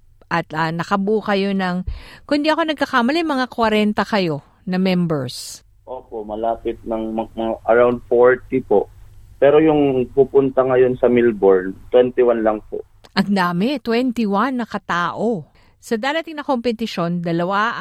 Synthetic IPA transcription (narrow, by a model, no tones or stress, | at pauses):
ʔɐt̪ɐnɐkɐbuːkɐjo̞nɐŋkʊnd̪iʔɐko̞nɐɡ̚kɐkamɐlɛmɐŋakwɐɾɛnt̪ɐkɐjo̞ | nɐmɛmbɛɹs | ʔoːpoʔmɐlaːpɪt̪̚nɐŋmɐmɐŋaʔɐɹawnd̪̚foɹt̪ipo̞ʔpɛɾojʊŋpupʊnt̪ɐŋɐjo̞nsɐmilboɹnt̪wɛnt̪ɪwanlɐŋpo̞̰ʔ | ʔɐŋd̪aːmɛt̪wɛnt̪ɪwanːɐkɐt̪aːʔo | sɐd̪aːɾɐt̪ɪiŋnɐko̞mpɛt̪ɪʃo̞nd̪ɐlɐwa